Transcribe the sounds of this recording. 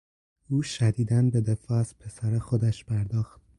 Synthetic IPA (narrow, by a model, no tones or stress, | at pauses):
uːʃæd̪iːd̪ænbe̞d̪e̞fɒːæz̥pʰe̞sæɾexod̪æʃpʰæɾd̪ɒːxt̪̚